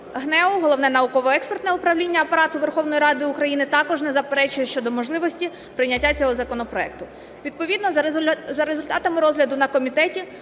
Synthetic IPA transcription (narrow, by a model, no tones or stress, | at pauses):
ɦnɛʊɦɔlˠɔwnɛnɐʊkɔʋɔɛkspert̪nɛʊpɾɐwlʲinʲːɐɐpɐɾɑt̪ʊʋerxɔwnɔjiɾɑd̪ɪʊkɾɐjinɪt̪ɑkɔʒnɛzɐpeɾɛt͡ʃʊjɛʃt͡ʃɔd̪ɔmɔʒlˠɪʋɔsʲtʲi | pɾɪnʲɐtʲːat͡sʲɔɦɔzɐkɔnɔpɾɔɛk̚t̪ʊ | ʋʲid̪̚pɔʋʲid̪nɔzɐɾezʊlʲt̪ɑt̪ɐmɪɾɔzɦlʲɐd̪ʊnɐkɔmʲit̪ɛtʲi